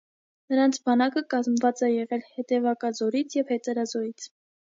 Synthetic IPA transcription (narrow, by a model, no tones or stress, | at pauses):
nəɾɑnt͡sʰbɑnɑkəkɑzmvɑt͡sɛjɛʁɛlhɛt̪ɛvɑkɑzɔɾit͡sʰjɛvhɛt̪əɾɑzɔɾit͡sʰ